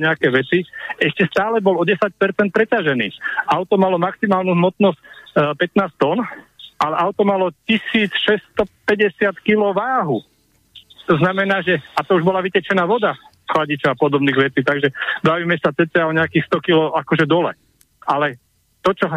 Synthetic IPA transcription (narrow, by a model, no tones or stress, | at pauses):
ɲɛakɛːʋɛt͡siɛʃcɛst̪aːlɛbɔlɔɟɛsac̚pɛɾt͡sɛnt̪̚pɾɛcaʒɛnḭːaʊt̪ɔmalɔmaksimaːlnuɦmɔt̪nɔscpɛt̪naːst̪ɔn | ʔalɛʔaʊt̪ɔmalɔcisiːt͡sʃɛst̪ɔpɛɟɛsɪat̪kilɔʊʋaːɦu | t̪ɔznamɛnaːʒɛat̪ɔuʒbɔlaʋicɛt͡ʃɛnaːʋɔd̪a | xlaɟit͡ʃɔʊapɔd̪ɔbniːɣʋɛt͡siːt̪aɡʒɛbaːʋiːmɛsat͡sɛt͡s̪ɪaɔɲɛakiːxst̪ɔkilɔakɔʒɛd̪ɔlɛ̰ | alɛ | t̪ɔt͡ʃɔ